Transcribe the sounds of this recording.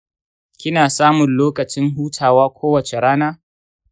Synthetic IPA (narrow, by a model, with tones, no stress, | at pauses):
kʲɪ˦naː˨saː˦mʊ˨nloː˦kɐ˨t͡ʃɪ˦ŋɦuː˦tʰaː˨waː˦kʷʰoː˦wɐ˨t͡ʃe˨ɽaː˦naː˦